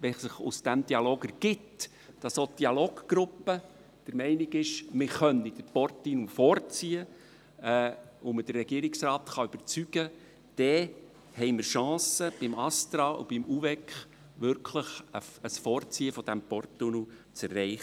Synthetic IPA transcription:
ʋɛsəχʊ̰sd̥̪æmd̥̪iɑloːɡəɾɡ̥ɪt | d̥ɑsod̥iɑloːɡɡ̥ɾʊpːə | d̥əɾmɛɪnɪɡɪʃmɪχœnːid̥əɾpɔrt̪ːinufɔːrt͡siə | uməd̥ərːɛɡiːəɾɪksrɑːt̪χɑʏb̥əɾt͡syɡ̥ə | d̥ɛ | hɛɪməɾʃɑ̃ːsəb̥ɪmɑst̪ɾɑːʔṵb̥imuvɛkχ | ʋʏɾkʰləχəəsfɔːɾt͡siəfɔd̥æmpɔrtːunut͡særːɛɪχə

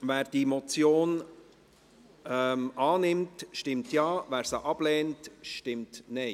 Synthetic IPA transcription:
væːɾd̥imɔt͡sjoːn | ɛmɑːnɪmtʃtɪmtjɑːʋæːɾsaʔɑb̥lɛːntʃtɪmtnɛɪ

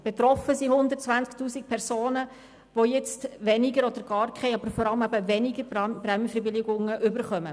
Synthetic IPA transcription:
b̥et̪ɾɔfəsihʊnd̪əɾtt͡sʋænt͡sktuːsik̚pʰɛɾsoːnə | ʋojɛt͡stʋɛnɪɡəɾɔd̪əɾɡ̥ɑːɾkʰɛɪɑbəɾfɔɾɑləmæbəʋɛnɪɡəɾbɾɛmfəɾbɪlɪɡʊŋəʔʏbəɾχœmə

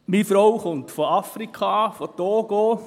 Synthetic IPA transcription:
mifɾowχʊntfoɑfɾikχɑfotoːɡ̥o

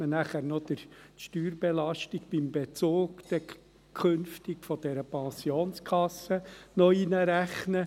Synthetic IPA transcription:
mənæχæɾnod̥̪əɾʃtyːɾb̥elɑʃtiɡb̥imbet͡soːɡd̪̥ɛ | kʰønftikfɔd̥ɛɾəpɑsioːnskʰɑsːənɔinəɾæχnə

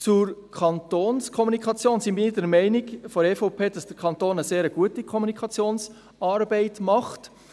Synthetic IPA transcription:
t͡sʊɾkʰɑntoːnskʰɔmunikʰχɑt͡sjoːnsibiniːdɛɾmɛɪniɡfɔɾɛːfopʰeːd̥ɑsd̥əɾkʰɑntoːnəseːɾəɡ̥uətikʰɔmunikχɑt͡sjoːns | ɑːɾbɛɪtmɑχt

